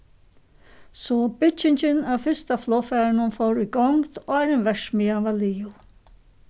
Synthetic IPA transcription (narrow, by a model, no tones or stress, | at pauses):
sɔbɪt͡ʃɪɲt͡ʃɪnawfɪst̪aflɔːfɛːɾnʊnfowɾujɡɔŋt̪ɔaɾɛnʋɛʂmiaʋaliːʊ